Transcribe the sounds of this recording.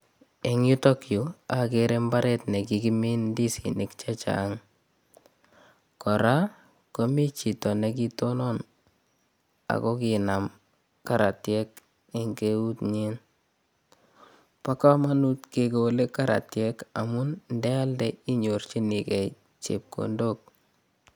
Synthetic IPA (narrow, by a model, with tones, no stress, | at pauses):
eŋu˦tokju˨akeɾe˦mbaɾɛ˦tne˨kiki˦mi˦ndi˦sḭnɪkt͡ʃat͡ʃa̰ŋ | kɔ˨ɾa˦ | komi˦t͡ʃi˨tɔ˨nek̬i˦tonɔn | a̰˨kɔ˦kinam | ka˨ɾa˨tjɛ˦k | e˨ŋɡeu˦tɲin | pa˦ka˦ma˦nutke˨kele˦ka˦ɾa̰˨tjɛka˨munndɛ˦a˦ldɛi˦ɲo˨ɾt͡ʃi˦nikɛ˨ | t͡ʃḛ˨p̚ko̰ndok̚